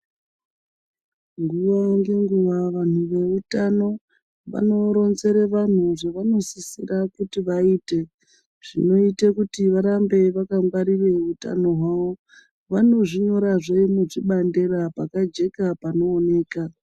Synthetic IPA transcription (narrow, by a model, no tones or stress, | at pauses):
ŋɡuʋaŋɡe̞ŋɡuʋaʋan̤uʋe̞utano̞ | ʋa̰no̞ɾo̞nze̞ɾe̞ʋan̤uʐeʋano̞sisirakutiʋaiːte̞ | ʐ̥ḭno̞itekutiʋaɾambe̞ʋakamɡaɾire̞uta̰no̞ɦwaʋo̞ | ʋano̞ʐiɲo̞ɾaʐeimuʐiɓande̞rapakad͡ʒe̞kapano̞ːne̞ːka